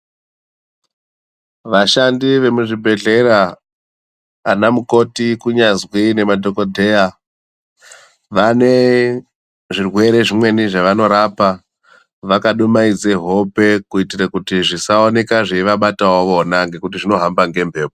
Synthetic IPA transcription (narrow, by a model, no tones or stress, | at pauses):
ʋaʃandiʋe̞muʐibʱe̞ɮe̞ɾa | namuko̞tikuɲazwine̞madʱo̞kodʱeja | ʋane̞ | ʐirwe̞ɾe̞ʐimwe̞niʐaʋano̞ɾapa | ʋakaɗumaid͡zeɦo̞pe̞kuitirakutiʐisaone̞kaʐeiʋaɓatawoʋonaŋɡe̞kut̬iʐino̞ɦambaŋɡe̞mbʱe̞ːp̚o